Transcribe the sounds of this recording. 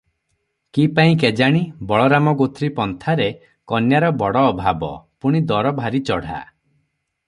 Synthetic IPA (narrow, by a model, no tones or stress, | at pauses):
kipaĩked͡ʒaɽ̃ibɔɭɔɾamɔɡot̪ʰɾipɔnt̪ʰaɾe | kɔnjaɾɔbɔɽɔːbʱabɔ̰puɽ̃id̪ɔɾɔbʱaɾit͡ʃɔɽ̤a̰